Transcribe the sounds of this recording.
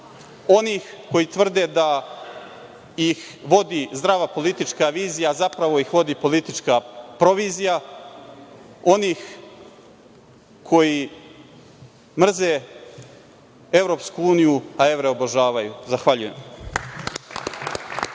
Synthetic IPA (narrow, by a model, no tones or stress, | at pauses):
o̞niːxko̞jit̪vr̩d̪e̞d̪a | jix | ʋo̞d̪izd̪ɾaʋapo̞lit̪it͡ʃkaʋiːzijazapɾaʋo̞ixʋo̞d̪ipo̞lit̪it͡ʂkapɾo̞ʋiːzija | o̞niːx | kʰo̞ji | mr̩ze̞ | eʋɾo̞ːpskuuːnijuaeʋɾeoboʒaːʋajuzaxʋaʎuje̞̰m